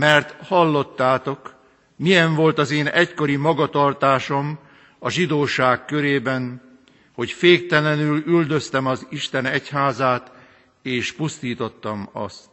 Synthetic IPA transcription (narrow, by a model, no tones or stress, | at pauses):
mɛrt̪hɒlːo̞t̪ːaːt̪o̞k | mijɛɱvo̞lt̪ɒzeːnɛcko̞ɾimɒɡɒt̪ɒrt̪aːʃo̞m | ɒʒid̪oːʃaːkːø̞ɾeːbɛn | ho̞cfeːk̚t̪ɛlɛnylyld̪ø̞st̪ɛmɒziʃt̪ɛnɛchaːzaːt̪ | eːʃpust̪iːt̪o̞t̪ːɒmɒ̰st̪